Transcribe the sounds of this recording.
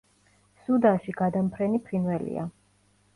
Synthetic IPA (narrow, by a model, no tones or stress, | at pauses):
sud̪anʃiɡad̪ampʰɾɛnipʰɾinvɛlḭa̰